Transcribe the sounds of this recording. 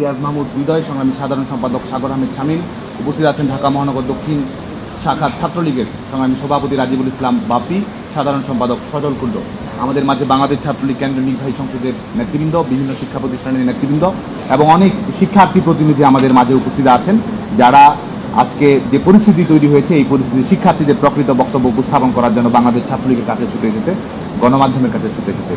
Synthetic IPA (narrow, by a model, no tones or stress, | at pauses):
iazmaɦmud̪bid̪ɔeʃɔŋɾamiʃad̪ʱaɾonʃɔmpad̪okʃaɡoɾɦamid̪ʃamil | upost̪ʰit̪aat͡ɕʰenɖʱakamɔɦanɔɡoɾd̪okʰːin | ʃakʰaɾt͡ɕʰat̪ːɾoliɡeɾ | ʃɔŋɾamiʃobʱapot̪̬iɾad͡ʑibolislambab̚t̪i | ʃad̪ʱaɾonʃɔmpad̪okʃɔd͡ʑolkulɖo̰ | a̰mad̪eɾmad͡ʑʱebaŋlad̪eʃt͡ɕʰat̪ːɾolikːend̪ɾoniɾbʱaɦiʃɔŋʃod̪eɾ | net̪ɾibind̪obibʱinːoʃikʰːapɾot̪isʃʈʰaneɾnet̪ːɾibind̪o | eboŋɔnekʃikʰːaɾt̪ipɾot̪̬inid̪ʱiamad̪eɾmad͡ʑʱeupost̪ʰit̪aat͡ɕʰend͡ʑaɽa | a̰d͡ʑked͡ʑepoɾist̪ʰit̪̬it̪ojɾiɦojet͡ɕʰeejpoɾist̪ʰit̪iʃikʰːaɾt̪id̪eɾpɾokɾit̪obɔk̚t̪obːoupost̪ʰaponkɔɾaɾd͡ʑonːobaŋlad̪eʃt͡ɕʰat̪ʰːɾolikeɾkat͡ɕʰet͡ɕʰuʈeeʃʰet͡ɕe | ɡɔnomad̪ʱːomeɾkat͡ɕʰesʰeped͡ʑʰet͡ɕʰe